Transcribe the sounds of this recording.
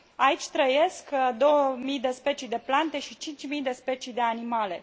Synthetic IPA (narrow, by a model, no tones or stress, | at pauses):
ait͡ʃʲt̪ɾəje̞skd̪o̞wəmijd̪e̞spe̞t͡ʃijd̪e̞plant̪e̞ʃit͡ʃint͡ʃʲmijd̪e̞spe̞t͡ʃid̪e̞animale̞